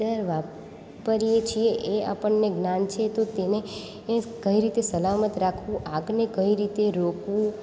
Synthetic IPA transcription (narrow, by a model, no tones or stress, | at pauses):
əɾʋap | pəɾijet͡ʃʰieʔeapəɳneɡnant͡ʃʰet̪ot̪ene | kəiɾit̪esəlamət̪ɾakʰʋũʔaɡnekəiɾit̪eɾokʋũ